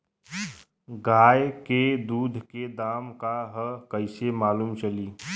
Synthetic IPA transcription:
ɡaːjked̪uːd̪ʱked̪aːmkaɦəkəɪsemaːluːmt͡ʃəliː

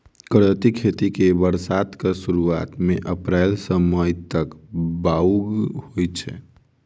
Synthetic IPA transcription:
kəɾət̪ikʰet̪ikebəɾsaːt̪kesuɾuaːt̪mẽʔəpɾɛːlsəməjt̪əkbauɡhojt͡ʃʰɛ̰

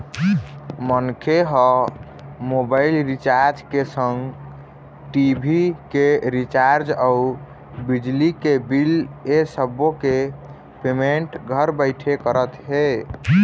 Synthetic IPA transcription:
mənkʰeɦə | mobailɾit͡ʃaɾd͡ʒkesəŋɡ | ʈibʱikeɾit͡ʃaɾd͡ʒau | bid͡ʒlikebilesəbːoke | pemeɳʈɡʱəɾbəɪʈʰekəɾət̪ɦe

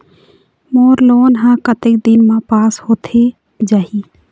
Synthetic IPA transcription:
moːɾloːnɦãkət̪ɪk̚d̪ɪnmãpaːshoːt̪ʰe | d͡ʒaːɦi

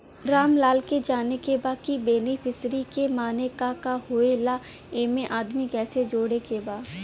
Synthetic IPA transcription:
ɾaːmlaːlked͡ʒaːnekebaːkibeːnifʰɪsɾikemaːnekakahoelaː | eːmẽʔaːd̪mikɛːsed͡ʒoːɽekebaːd̪

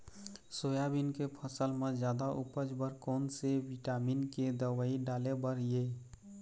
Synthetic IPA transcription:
sojabinkepʰəsəlmed͡ʒjad̪aʔupəd͡ʒbəɾkɔːnsewiʈaminked̪əwəiɖalebəɾje

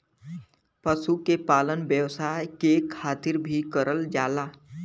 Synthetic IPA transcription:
pəsukepaːlənbjəwsaːkekʰaːt̪ɪɾbʱikəɾʔəld͡ʒaːlaː

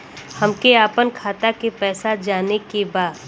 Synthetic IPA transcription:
hɐmkeaːpənkʰaːt̪akepɛːsad͡ʒaːnekebaːd̪

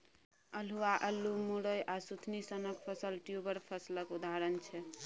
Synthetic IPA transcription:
əluaʔəlːumuɾəjʔasut̪ʰnisənəkpʰəsəlʈjubəɾpʰəsləkud̪ʱaɾənt͡ʃʰɛ

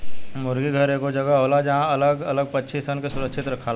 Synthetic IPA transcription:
mʊɾɡiɡʱəɾekod͡ʒəɡaɦoːlad͡ʒɐɦãɐləɡɐləɡ̚pətːʃʰisənkesʊɾəkʃɪt̪ɾɐkʰːala

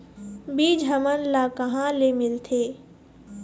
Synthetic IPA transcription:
biːd͡ʒɦəmənlaːkəɦãlemɪlt̪ʰeː

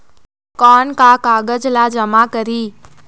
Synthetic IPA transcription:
kɔːnkakaːɡəd͡ʒlad͡ʒɐmakəɾiː

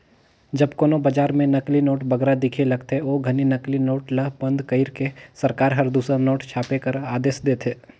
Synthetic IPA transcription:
d͡ʒɐbkoːnobɐd͡ʒaːɾmẽnɐklinoːʈbɐɡɾad̪ɪkʰelɐɡt̪eoːɡʱɐninɐklinoːʈlɐɦbɐ̃nd̪kɐɪɾkesɐɾkaːɾɦɐɾd̪uːsɾənoːʈt͡ʃʰaːpekɐɾaːd̪eːʃd̪eːt̪ʰeː

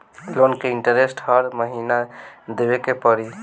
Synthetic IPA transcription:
lonkeiɳʈəɾesʈhəɾməɦinad̪ebekepəɾi

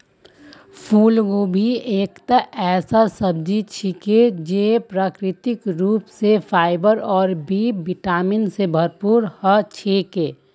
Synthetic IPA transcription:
fʰuːlɡoːbʱieːkt̪aʔɛːsasəb̚d͡ʒit͡ʃʰiked͡ʒepɾaːkɾɪt̪ɪkɾuːpsefʰaːɪbəɾɔːɾbiːbɪʈaːmɪnsebʱɐɾpuːɾhət͡ʃʰekeː

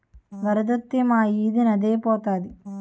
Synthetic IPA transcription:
ʋɐɾɯd̪ɐt̪ːemaːjiːðɯnɐd̪eːpoːt̪aːði

